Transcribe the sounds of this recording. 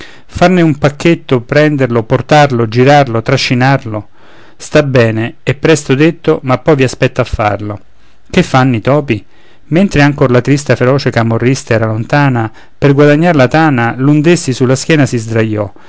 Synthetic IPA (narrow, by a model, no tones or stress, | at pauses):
farneumpakːet̪ːopɾɛnd̪erloport̪arlod͡ʒiɾarlot̪ɾaʃːinarlo | st̪abɛːneːpːɾɛst̪od̪et̪ːomapːɔjviaspɛt̪ːafːa̰rlo | kefːanːit̪ɔːpi | ment̪ɾeaŋkorlat̪ɾist̪afeɾɔːt͡ʃekamorːist̪aɛːɾalont̪aːna | perɡwad̪aɲːaɾlat̪aːnalund̪esːisulːask̟jɛːnasizd̪ɾajːɔ